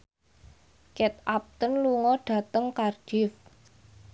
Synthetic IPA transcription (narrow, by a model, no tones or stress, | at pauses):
kɛt̪ap̚t̪ənluŋɔɖ̥a̤t̪əŋkard͡ʒ̥ɪf